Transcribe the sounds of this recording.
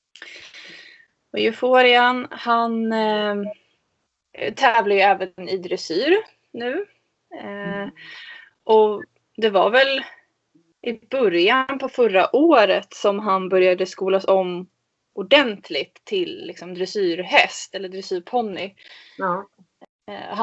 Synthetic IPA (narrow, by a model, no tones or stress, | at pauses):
ɔjɵfoːɾɪanhan | t̪ʰɛːvladjɵɛːvənɛnɪd̪ɾɛsyːɾ | nʉ̟ː | ʔɔ | d̪ɛvaɾvɛl | ʔɪbɵɾjanpʰɔfœɾːaʔoːɾət̪sɔmɦanbœɾjad̪əskuːlasɔmː | ʊɖɛnt̪ʰlɪɡt̪ʰːɪlːɪksɔmd̪ɾɛsyːɾɦɛst̪ɛlːəd̪ɾɛsyːɾpʰɔnːɪ | ha